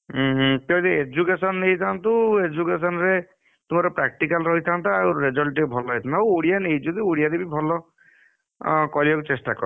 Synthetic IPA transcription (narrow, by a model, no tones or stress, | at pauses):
ɦt̪jɔt̪eed͡ʒukesɔnːejt̪ʰant̪ued͡ʒukesɔnɾe | t̪umaɾɔpɾak̚ʈikalɾɔɦit̪ʰant̪ʰaːuɾed͡ʒɔlʈibʱɔlɔɦɔjt̪ʰanaawoɽijanejd͡ʒɔd̪iuɽijad̪ebibʱɔlɔ | kɔɾibakut͡ʃesʈakɔ̰ɾɔ